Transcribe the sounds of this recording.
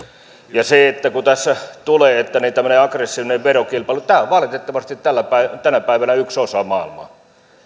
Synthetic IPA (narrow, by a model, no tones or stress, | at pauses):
jɑseet̪ːækut̪æsːæt̪uleːet̪ːænit̪æmːˑøneɑkresːiːʋineʋʋerokilpɑˑilut̪æːoʋʋɑlit̪et̪ːɑʋɑst̪it̪t̪ælːˑæpæˑit̪ænæpæˑiʋænæyksosɑmɑˑilmɑ̰